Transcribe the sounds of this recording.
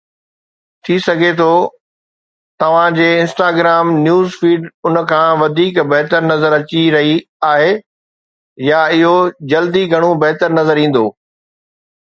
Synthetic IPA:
t̪ʰisɐɡʱet̪ʰoː | t̪ɐʋ̤ãd͡ʑeːɪ̃nsʈaːɡɾaːmnjuːzfiːɖʊn̆kʰãːʋɐd̪ʱiːkbɐɦt̪əɾnɐzəɾɐt͡ɕiɾɐɦi | aːɦe | jaɪɦod͡ʑɐld̪iɡʱɐɽ̃obɐɦt̪əɾnɐzəɾĩːn̆d̪oː

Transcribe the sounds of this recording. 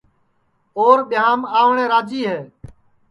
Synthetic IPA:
oːɾɓɪjaːmaːʋɳẽːɾaːd͡ʒiːɦeː

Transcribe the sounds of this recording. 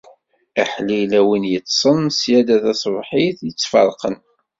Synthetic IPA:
aħlilæwinjət͡s̪ːsˤənsjæd̪æθæsˤvħiθjət͡sːfɑ̰ɾˤqən

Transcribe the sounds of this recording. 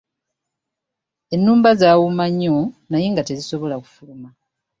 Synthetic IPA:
e̞nːuːmbazaːwumaɲːonajiŋɡate̞ziso̞βo̞laku̥fuluma

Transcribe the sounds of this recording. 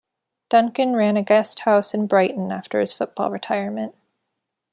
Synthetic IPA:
d̥ʌ̃ŋkɨ̃nɹæ̃nɨɡɛst̚haʊsɨ̃nbɹaɪʔn̩æ̰ftə̰˞ɨz̥fʊt̚b̥ɔ̰lˠɹɨtʰaɪə˞mɨ̃nʔ

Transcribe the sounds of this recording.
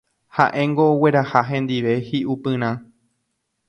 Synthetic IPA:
ha̰ʔẽ̞ŋɡoːwe̞ɾahaɦẽ̞nd̪iʋe̞hiʔupɨ̃ɾ̃ã

